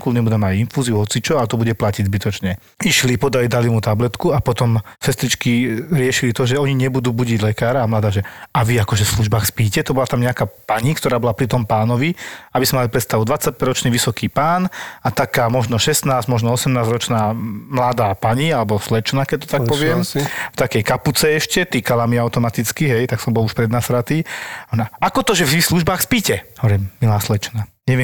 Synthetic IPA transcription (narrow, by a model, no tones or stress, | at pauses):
kulɲɛbud̪ɛmajinfuːziuɦɔt͡sit͡ʃɔalɛt̪ɔbuɟɛplaciɟzbit̪ɔt͡ʃɲɛ | iʃlipɔd̪alid̪alimut̪ablɛt̪kuapɔt̪ɔmsɛst̪ɾit͡ʃkiɾɪɛʃilit̪ɔʒɛɔɲiɲɛbud̪uːbuɟiɟlɛkaːɾaːmlad̪aːʒɛaʋiakɔʒɛfsluʒbaːxspiːcɛt̪ɔbɔlat̪amɲɛakaːpaɲikt̪ɔɾaːbɔlapɾit̪ɔmpaːnɔʋiabizmɛmalipɾɛt̪st̪aʋud̪ʋat͡sːac̚pɛɾɾɔt͡ʃniːʋisɔkiːpaːnat̪akaːmɔʒnɔʃɛst̪naːzmɔʒnɔɔsɛmnaːzɾɔt͡ʃnaːmlad̪aːpaɲialɛbɔslɛt͡ʃnakɛc̚t̪ɔ̥t̪apɔʋɪɛmft̪akɛjkaput͡sɛɛʃcɛt̪iːkalamiaʊt̪ɔmat̪it͡skiɦɛjt̪aksɔmbɔluʃpɾɛd̪nasɾat̪iɔnaakɔt̪ɔʒɛvʒisluʒbaːxspiːcɛɦɔʋɔɾimːilaːslɛt͡ʃnaɲɛʋɪɛ